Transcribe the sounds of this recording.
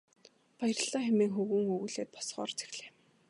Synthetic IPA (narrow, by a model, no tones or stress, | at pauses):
pajr̆ɮaːxemiːŋxɵɣŭːŋɵɣuːɮeːt̪̚pɔ̥sχɔ̰ːrt͡se̥xɮe̥ː